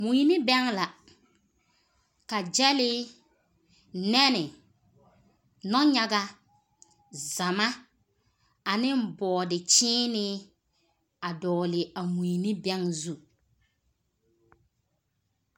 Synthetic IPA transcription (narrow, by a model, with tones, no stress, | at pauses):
mu˨nɪ˦bɛ˦ŋla˨ | ka˨d͡ʒɛ˦lɪ˦ | nɛ˦nɪ˨ | nɔ˦ɲa˦ɡa˦ | za˨ma˦ | a˨nɪ˦m˦bɔː˨dɪ˨t͡ʃɪː˦nɪ˦ | a˨dɔː˨lɪ˨a˨mu˨i˨ni˦bɛ˦ŋzu˦˨